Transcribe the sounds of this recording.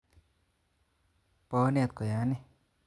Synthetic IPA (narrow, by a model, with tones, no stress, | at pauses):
pɔ˧˦ne˦˧˨t̪̚kɔ˨ja˨˦ne˦˧